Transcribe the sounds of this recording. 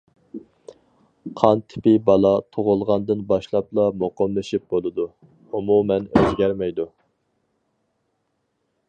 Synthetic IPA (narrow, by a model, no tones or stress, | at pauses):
qʰɑnt̪ʰɪ̥pɪbɑlˠɑt̪ʰoʁʊlˠʁɑnd̪ɨnbɑʃlˠɑplˠɑmoqɑmlˠɨʃip̚bolˠɨd̪u | umumɛnøzɡʲɛɾmɛjd̪u